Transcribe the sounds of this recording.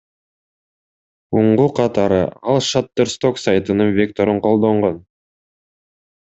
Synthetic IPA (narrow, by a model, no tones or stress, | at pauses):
wʊɴʁuqʰɑt̪ɑɾə̰ɑlˠʃat̪ːəɾst̪o̞ksajt̪ənəɴvʲe̞k̚t̪o̞ɾəɴqʰo̞lˠd̪o̞ɴʁon